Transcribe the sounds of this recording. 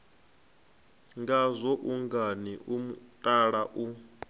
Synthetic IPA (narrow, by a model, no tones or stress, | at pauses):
ŋɡazʷɔʔuŋɡaniʔumutʼaɺaʔu